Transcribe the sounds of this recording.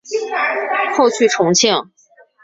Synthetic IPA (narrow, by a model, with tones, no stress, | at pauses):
xo˥˧ʊt͡ɕʰy˥˩ʈ͡ʂʰʊ˧˥ŋt͡ɕʰɛ˥˩ŋ